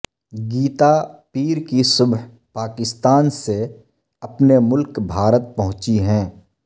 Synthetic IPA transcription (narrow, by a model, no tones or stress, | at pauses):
ɡiːt̪apiːɾkisʊbɦ | paːkɪst̪aːnse | ɐpnemʊlkbʱaːɾət̪̚pɐɦʊ̃t͡ʃiɦɛ̃ː